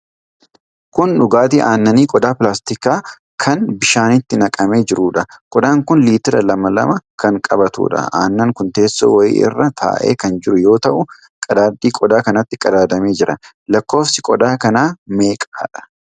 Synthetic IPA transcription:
kʊnᶑʊɡaːt̪iːʔaːnːɐniːkʼɔd̪aːpɪlaːst̪ɪkaː | kʰɐnbɪʃaːnɪt̪ːɪnɐkʼɐme̞ːd͡ʒɪɾuːᶑɐkʼɔd̪aːŋkʊnliːt̪ɪɾɐlɐmɐlɐ̰mɐkɐŋkʼɐbɐt̪ṵːᶑɐ̰a̰ːnːɐŋkʊnt̪e̞ːsːo̰ːwɐjḭːʔɪ̰rːɐt̪ʰa̰ːʔḛːkɐnd͡ʒɪɾʊjo̞ːt̪ɐʔʊ | kʼɐd̪aːd̪ːiːkʼɔd̪aːkɐnɐt̪ːɪkʼɐd̪aːd̪ɐme̞ːd͡ʒɪɾɐ | lɐkːo̞ːfsɪkʼɔd̪aːkɐnaːme̞ːkʼa̰ːᶑɐ̥

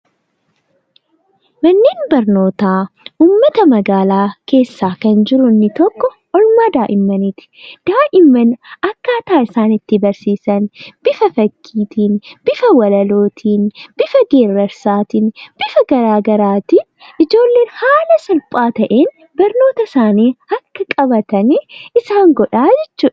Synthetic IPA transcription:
mɐnːiːnbɐɾno̞ːt̪aːuːmːɐt̪ɐmɐɡaːlaːke̞ːsːaːkɐnd͡ʒɪɾʊnːɪt̪ɔkːɔ | ʔɔlmaːd̪aːʔɪmːɐnɪt̪ɪ̥d̪̥aːʔɪmːɐnɐkːaːt̪aːɪsaːnɪt̪ːɪbɐɾsiːsɐnb̥ɪfɐfɐkʰːiːt̪iːnb̥ɪfɐwɐlɐloːt̪ʰiːnb̥ɪfɐɡe̞ːrːɐɾsaːt̪iːnb̥ɪfɐɡɐɾaːɡɐɾaːt̪iː | ʔɪd͡ʒo̞ːlːe̞ːnhaːlɐsɐlpʼaːt̪ɐʔeːn | bɐɾno̞ːt̪ɐsaːniːɐkːɐkʼɐbɐt̪ɐnɪsaːŋɡɔᶑaːd͡ʒɛt͡ʃːuːᶑ

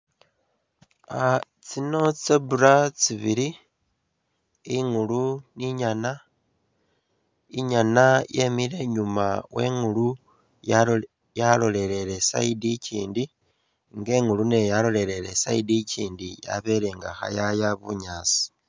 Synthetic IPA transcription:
a | t͡sino̞t͡sebuɾat͡siβiɾi | iŋuluniɲana | iɲanajemile̞ɲumawe̞ŋulu | j | jalo̞le̞ɾe̞ɾe̞sa̰idicḭːndi | ŋɡe̞ŋulune̞jalo̞le̞ɾe̞ɾe̞sa̰idiciːndija̰βe̞ɾe̞ŋɡa̰xa̰jajaβuɲaːsi̥

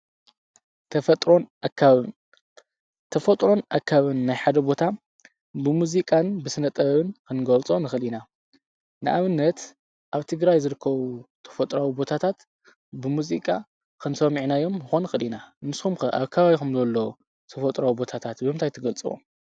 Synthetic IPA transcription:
t̪ʰɐfɐt̪ʼɾo̞nʔakʰːaβɨn | t̪ʰɐfɐt̪ʼɾo̞nʔakʰːaβɨnːajħad̪ɐbo̞t̪ʰa | bɨmuzikʼanbɨsɨnɐt̪ʼɐβɐβɨnkʰɨnɡɐlt͡sʼonɨxɨlina | nɨʔaβɨnːɐt̪ | ʔaβt̪ʰɨɡɾajzɨɾɨkʰːɐβut̪ʰɐ̥fɐt̪ʼɾawibo̞t̪ʰat̪ʰat̪ | bɨmuzikʼa | kʰɨnsɐmiʕnajo̞mjɨxonɨxɨlinanɨskumkɨʔa̰βkʰːɐβaβixumzɐlːɐ | t̪ʰɐfɐt̪ʼɾawibo̞t̪ʰat̪ʰat̪bɨmɨnt̪ʰajt̪ʰɐɡɐlt͡sʼɨwṵ

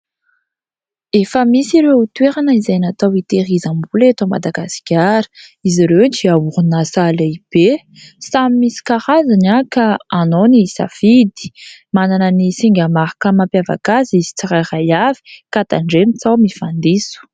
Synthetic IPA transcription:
efəmisiɾeut̪weɾanəizajnat̪awit̪eɾizambulet̪oma̰d̪aɡasi̥kʲaɾə̥iziɾewʈ͡ʂiauɾunasalaib̥e | samimːisi̥kaʁazanakaanonisa̰fid̪i̥mananənisiŋɡʲamaɾakəmampjava̰kazizi̥t͡saɾajrajavi̥kat̪aɳɖ͡ʐemit͡sawmifand̪isu̥

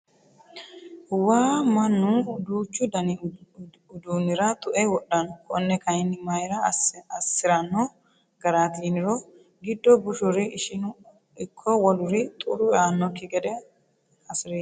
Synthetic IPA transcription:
waːmɐnːʊd̪uːt͡ʃːʊd̪ɐnɪ | ʊd̪uːnɪɾɐt̪ʼʊʔɛjwɔɗːɐnɔkɔnːɛkɐjɪnːɪmɐjɾɐɐsːɪɾɐnːɔ | ɡ̥ɐɾaːt̪iːnɪɾɔ | ɡɪd̪ːɔbʊʃʊɾɪʔɪʃɪn | ɪkʰːɔwɔlʊɾɪt̪ʼʊɾʊaːnːɔkɪkʼɛd̪ɛ | ɐsɪɾeː

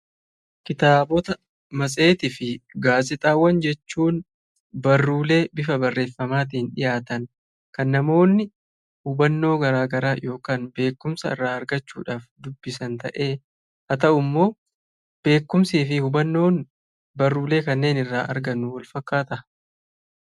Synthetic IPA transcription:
kɪt̪aːbɔt̪ɐ | mɐsʼe̞ːt̪ɪfɪɡaːsɪt̪ʼaːwːɐnd͡ʒɛt͡ʃːuːn | bɐrːuːle̞ːbɪfɐbɐrːe̞ːfːɐmaːt̪̬ɪhɪnᶑɪ̰jaːt̪ɐn | kɐnːɐmo̞ːnːɪ | hʊbɐnːo̞ːɡɐɾaːɡɐɾaːjo̞ːkaːnbe̞ːkːʊmsɐɪ̰rːaːɐɾɡɐt͡ʃːṵːᶑaːfd̪ʊbːɪsɐnt̪ɐ̰ʔe̞ː | hɐt̪ɐʔʊmːo̞ː | b̥e̞ːkːʊmsiːfɪhʊbɐnːo̞ːn | bɐrːuːle̞ːkɐnːe̞ːnɪrːaːʔɐ̰ɾɡɐnːʊwɐlfɐkːaːt̪ɐ

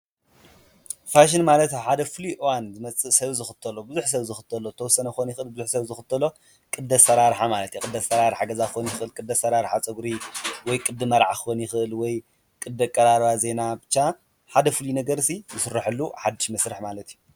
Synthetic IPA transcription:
faʃ̬ɪnmalɐt̪ħad̪ɐfɨliʔɨwanzɨmɐt͡sʼɨʔsɐβzɨxɨt̪ʰːɐlobɨzuħsɐβzɨxɨt̪ʰɐlot̪ʰɐwɔsːɐnɐxɨxonjɪxɨʔɨlbɨzuħsɐβzɨxɨt̪ʰːɐlo̞ | kʼɨd̪ɐsɐɾaɾħamalɐt̪jukʼɨd̪ːɐsɐɾaɾħaɡɐzakɨxonjɪxɨʔɨlkʼɨd̪ːɐsɐɾaɾħat͡sʼɐɡɾiwɔjkʼɨd̪ɨmɐɾʕakɨxonjɪxɨʔɨlwɔj | kʼɨd̪ɐkʼːɐɾaɾβaze̞nabɨt͡ʃːa | ħad̪ɐfɨlinɐɡɐɾsizɨsɨrːaħɨlːuħad̪ːɨʃmɐsɾɨħmalɐt̪iju

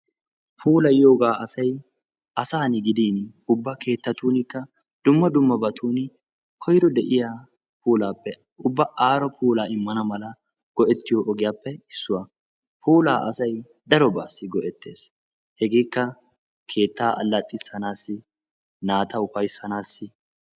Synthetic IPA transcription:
pʰuːlɐjjo̞ːɡaːɐsɐj | ʔɐsaːnɪɡɪd̪iːn | ʊbːɐke̞ːt̪ːɐt̪uːnɪkːɐ | d̪̥ʊmːɐd̪ʊmːɐbɐt̪ʰuːnɪ | kʰɔjɾɔd̪ɛʔɪjaː | pʰuːlaːpːɛ | ʊbːɐʔaːɾɔpʰuːlaːɪmːɐnɐmɐlɐ | ɡ̥ɔʔɛt̪ːɪjoːʔɔɡɪjaːpːɛɪsːʊwɐ | pʰuːlaːʔɐsɐj | d̪ɐɾɔbaːsːɪɡɔʔɛt̪ːe̞ːs | hɛɡeːkːɐ | kʰe̞ːt̪ːaːʔɐ̰lːɐt̪ʼːɪsːɐnaːsːɪ | naːt̪ʰɐʊfɐjsːɐnaːsːɪ

